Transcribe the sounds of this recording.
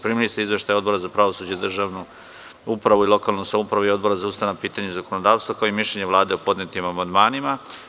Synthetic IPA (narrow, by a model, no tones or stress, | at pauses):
pɾiːmilist̪eizʋe̞ʃt̪ajo̞d̪bo̞ɾazapɾaʋosuːd͡ʑeid̪r̩ʒaːʋnu | upɾaʋuilˠo̞kalˠnusamupɾaʋuio̞d̪̚bo̞ɾazaust̪anapiːt̪aɲezako̞nod̪aːʋst̪vakaoimiʃʎeɲeʋlˠaːd̪e̞opo̞d̪net̪imamand̪maːnima